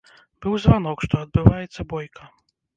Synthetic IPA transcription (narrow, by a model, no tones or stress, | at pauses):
b̥ɨwzvan̪ɔkʂt̪ɔɐd̪̚bɨvajɛt̪sːɐbɔjkʰɐ